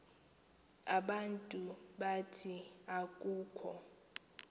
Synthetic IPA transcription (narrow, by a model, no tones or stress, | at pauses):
aɓantʼuɓatʰiak̬ʼuːkʰɔ̰